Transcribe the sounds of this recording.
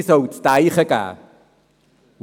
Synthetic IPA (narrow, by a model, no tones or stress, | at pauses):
sowt͡st̪ajχəka̰ː | w